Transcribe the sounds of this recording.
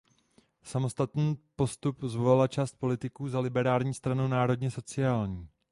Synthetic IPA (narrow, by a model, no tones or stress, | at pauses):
samo̞st̪at̪niːpo̞st̪upzvolalat͡ʃaːst̪̚po̞lɪt̪ɪkuːzalɪbɛɾaːlɲiːst̪ɾanunaːɾo̞dɲɛso̞t͡sɪaːlɲiː